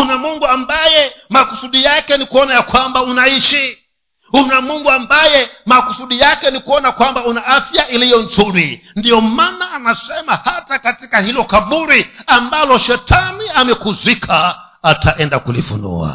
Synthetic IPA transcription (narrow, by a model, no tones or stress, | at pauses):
unamuŋɡuambajɛmakusuɗijakɛndikuɔnajakwambaunaiʃi | unamuŋɡuambajɛmakusuɗijakɛndikuɔnakwambaunaafjaʔilijɔnd͡zuɾindijɔmanaːnasɛmahatakatikahilɔkaɓuɾiambalɔʃɛtʰaniamɛkuzʷikʰaː | tʰaʔɛndakulḭfṵnṵːwa̰